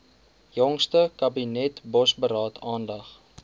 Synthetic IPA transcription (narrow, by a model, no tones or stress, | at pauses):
jɔŋstəkɐbinɛtbɔsbəɾɑːtʰɑːndɐχ